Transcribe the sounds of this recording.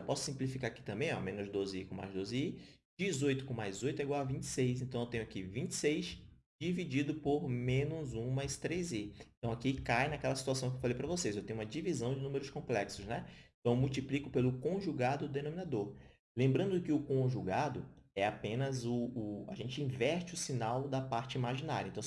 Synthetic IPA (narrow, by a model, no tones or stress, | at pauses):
wpɔsʊ̥sĩmplifikaɾaki̥t̪ɐ̃mbẽj̃ɔ̰mẽnʊzd̪ozɪikõma̰jzd̪ozɪi | d͡ʒizojt̪ʊ̥kõmajzojt̪ʊɛɡwawavĩt͡ʃɪ̥sejs̬ẽnt̪ɐ̃w̃ewt̪ẽɲ̃ʊakivĩt͡ʃɪ̥sejs | d͡ʒivid͡ʒid̪ʊpoɾmẽnʊzũmajst̪ɾejzeeẽt̪ɐ̃w̃akikajnɐkɛlɐsi̥t̪uasɐ̃k̬ewfalejpɾɐvosejszewt̪ẽɲ̃ũmɐd͡ʒivizɐ̃w̃d͡ʒɪnũmeɾʊskõmplɛksʊsnɛẽt̪ɐ̃w̃ewmuwt͡ʃiplikʊpelʊkõʒuɡad̪ʊd̪enõmĩnad̪oɾ | lẽmbɾɐ̃nd̪ʊkɪʊkõʒuɡad̪ʊɛapẽnɐzʊːa̰ʒẽnt͡ʃɪĩvɛɾt͡ʃɪʊsinawd̪ɐpaɾt͡ʃɪimaʒĩna̰ɾjɐẽt̪ɐ̃w